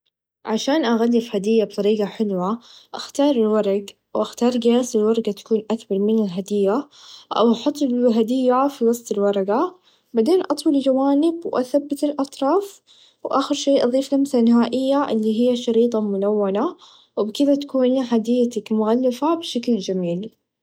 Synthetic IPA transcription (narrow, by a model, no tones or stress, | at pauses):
ʕaʃaːnʔaɣalːɪfhad̪ɪjːabt̪ˤɑɾiːɡaħɪlwaʔaxt̪ɑːɾˤɪlwɑɾˤɑɡ | wʔaxt̪ɑːɾˤɡaːsɪlwɑɾˤɑɡat̪ḁkuːnʔat̪bɑɾˤmɪnɪlɦad̪ɪjːaʔa̰wʔɑħʊt̪ˤːbɦad̪ɪjːafiwɑsˤt̪ˤɪlwɑɾˤɑɡa | baʕd̪eːnʔɑt̪ˤwɑld͡ʒawaːnɪbwʔa̰θabːat̪ɪlʔɑt̪ˤɾˤɑːf | wʔaːxɪɾʃeːʔɑðˤiːflamsanɪɦaːʔɪjːaʔɪlːiɦɪjːaʃɑɾiːt̪ˤɑmʊlawːana | wbkɪd̪at̪ḁkuːnɦad̪ɪjːat̪akmʊɣalːɪfabʃakld͡ʒamiːl